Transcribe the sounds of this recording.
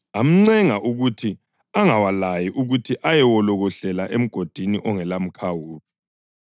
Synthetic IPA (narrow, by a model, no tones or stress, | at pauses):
am̩ŋ͡ǀɛŋaʔuɣutʰi | aŋawalajiʔuɣutʰiʔajɛwɔlɔɣɔɬɛlaʔem̩ɡ̥ʱod̥ʱinḭʔɔŋɛlam̩kʰawuːpʰi̥